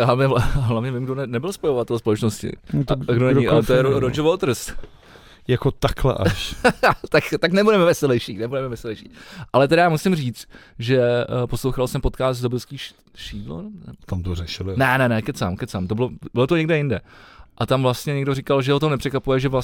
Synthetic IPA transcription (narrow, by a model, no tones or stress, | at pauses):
avɲɛlaɦlavɲɛvɪmɡdonɛnɛbɪlspojovat̪ɛlspolɛt͡ʃnoscɪ̰t̪ɡdonɛɲɪʔaɛt̪ojɛɾoɾod͡ʒovot̪r̩st̪ | jakot̪aklɛ̰ʔa̰ʃt̪akt̪aknɛbudɛmɛvɛsɛlɛjʃiːnɛbudɛmɛvɛsɛlɛjʃiːʔalɛt̪ɛɾajaːmusɪmriːt͡st̪ʒɛposlowxalsɛmpo̞t̪kaːst̪zdobɪlskiː | ʃiːdlo̰nnɛt̪amt̪orɛʃɪlɪnɛnɛnɛkɛsa̰ːmkɛtsaːmt̪obɪlobɪlot̪oɲɛɡdɛjɪndɛʔat̪amvlast̪ɲɛɲɛɡdorɪkalʒɛhot̪omnɛpr̥ɛkʋapujɛʒɛvla